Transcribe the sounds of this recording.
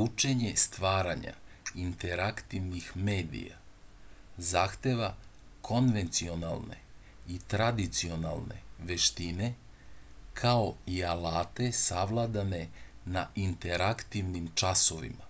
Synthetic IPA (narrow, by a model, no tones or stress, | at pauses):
ut͡ʃe̞ɲe̞st̪ʋaːɾaɲa̰int̪e̞ɾakt̪iʋnixme̞ːd̪ḭja̰ | zaːxt̪e̞ʋa | kʰo̞nʋe̞nt̪sio̞nalˠne̞̰ | it̪ɾad̪it̪sio̞nalˠne̞̰ʋeʃt̪ine̞ | kʰao̞ialaːt̪e̞saʋlˠad̪ane̞ | naʔint̪e̞ɾakt̪iʋnimt͡ʃasoʋḭma